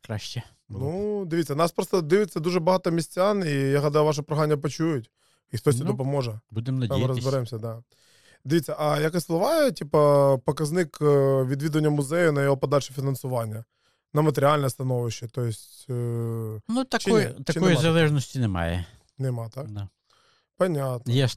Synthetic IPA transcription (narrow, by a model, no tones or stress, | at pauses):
kɾaʃt͡ʃɛ | nud̪ɪʋʲitʲt͡sʲːɐnɑspɾɔst̪ɔd̪ɪʋɪt͡sʲːɐd̪uʒɛbɐɦɑt̪ɔmʲisʲt͡sʲanijaɦɐd̪ajʊʋɑʃ̬ɐpɾɔɦanʲːɐpɔt͡ʃujʊtʲ | ixt̪ɔst̪ʲid̪ɔp̬ɔmɔʒɛbud̪emnɐd̪ʲmɪɾɔzbɪɾɛmsʲɐd̪a | d̪ʲɪʋʲit͡sʲːɐʔɐjɐkɛsʲslˠɐʋɑjɛtʲipɐpɔkɐznɪkʋʲid̪ʋʲid̪ʊʋɐnʲːɐmʊzɛjʊnɐjɔɦɔpɐd̪alʲʃɛ̥fʲɪnɐnsʊʋɑnʲːɐ | nɐmɐt̪eɾʲɪalʲnɛst̪ɐnɔʋɪʃːɛt̪ɔjɪsʲtʲ | nut̪ɐt͡ʃt̪ɐkiɔjizɐlˠɛʒnɔsʲtʲinɛmɑ̰jɛ̰ | nɛmɑt̪akd̪a | pɐnʲat̪nɐjɛ